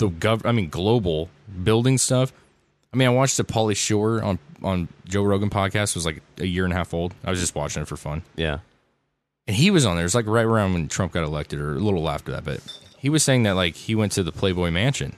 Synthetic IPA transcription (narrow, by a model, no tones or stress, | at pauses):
ðəɡʌvʔaɪmĩnɡloʊbl̩ˠbɪlˠdɪ̃ŋstʌf | aɪmĩnaɪwɑt͡ʃðɨpʰɑlˠiʃʊə˞ə̰̃nʔə̃nd͡ʒoʊɹoʊɡɨ̃npʰɑd̚kʰæstɨwʌzlaɪkʔɨjɪɹɨ̃nɦæfoʊlˠd̥aɪwʌzd͡ʒʌst̚wɑ̰t͡ʃɪ̃ŋɨtfə˞fʌ̃njæ̰ | ɨ̃niwʌzn̩ðə˞ɨzlaɪkɹaɪtə˞ãʊ̃ndwə̃ntʰɹ̥ʌ̃mp̚ɡ̥ɑɾəlɛk̚tɨɾə˞ə̰lɪɾl̩ˠlæ̰ftə˞ðæ̰t̚b̥ʌ̰t̚hiwʌz̥seɪɪ̃ŋðɨt̚laɪkhiwɛ̃ntʰɨðəpʰl̥eɪbɔɪmæ̃nʃɨ̰̃n